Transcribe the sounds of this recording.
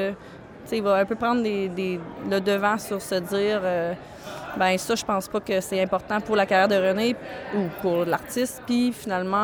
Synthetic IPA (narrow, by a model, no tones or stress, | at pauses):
t͡seivɔɛ̃pøpʁɑ̃ːd̪ʁd̪ed̪eləd̪əvãsyʁsəd͡ziːʁø | bɛ̃sʌʒəpɑ̃ːspʌkəsɛt̪ɛ̃pɔʁt̪ɑ̃puʁlakajɛʁd̪əʁəneupuʁlaʁt̪ɪst̪pifinalmɑ̃